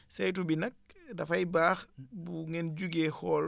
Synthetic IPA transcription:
sɛjtubinɐk̚dɐfajbaːxbuŋɛnd͡ʒuɡehɔːl

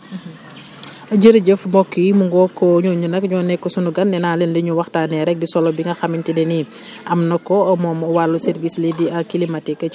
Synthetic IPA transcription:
ɐɟəɾɟəfmɔkːimuŋɡɔkːɔɲɔːɲunɐkɲɔːnɛkːɔsunuɡɐnːɛnaːlɛnliɲuwɐxtanɛɾɛk̚disɔlɔbiŋɡɐxɐmintinɛni | ʔɐmnɐkːɔmɔːmɔwalːusiɾɡislidiɐkilimatikːɐ

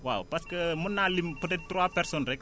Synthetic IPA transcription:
wa̰wpaskəmənːalimpətet̪ɾwapɛɾsɔnrɛk̚

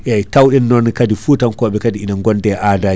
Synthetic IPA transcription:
ʔɛtawɗɛnːɔnikadifutaŋkɔːɓɛkadiinaŋɡɔndɛʔaːdaː

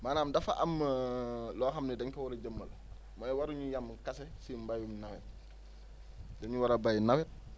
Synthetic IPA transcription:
maːnaːmdɐfɐ̰ʔɐm | lɔːxɐmnɛdɐɲkɐwɔɾɐɟəmːɐl | mɐjwɐɾuɲujamkɐsɛsimbajumnɐwɛt̚ | dɐɲuwɐɾɐbajnawɛt̚

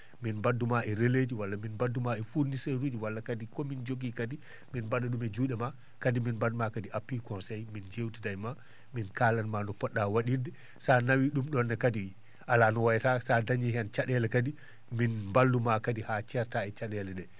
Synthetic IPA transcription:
minbadːumaɛɾeleːd͡ʒiwalːaminbadːumaɛfuɾnisɛɾud͡ʒiwalːakadikɔmind͡ʒoɡiːkadi | minbaduɗumɛd͡ʒuːɗɛma | kadiminbadumakadiʔapːikɔnsɛjmind͡ʒewtidajma | minkaːlanmanɔpɔɗːawaɗiɾdɛ | sanawiɗumɗɔnːɛkadi | ʔalanɔwajtasadaɲihant͡ʃaɗɛlɛkadi | minbalːumakadihat͡ʃɛɾtaɛt͡ʃaɗɛlɛɗɛ

